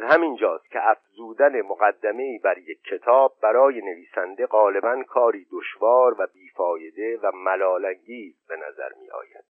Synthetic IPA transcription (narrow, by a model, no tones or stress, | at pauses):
zhæmind͡ʒɒːst̪̚cʰeʔæfzuːd̪æne̞moɣæd̪ːæme̞iːbæɾje̞kʰːe̞t̪ʰɒːb̚ːæɾɒːje̞ne̞viːsænd̪e̞ɣɒːle̞bænkʰɒːɾiːd̪oʃvɒːɾvæbiːfɒːje̞d̪e̞væmælɒːlæŋɟiːzbe̞næ̰zæ̰ɾmiːʔɒ̰ːjæ̰d̪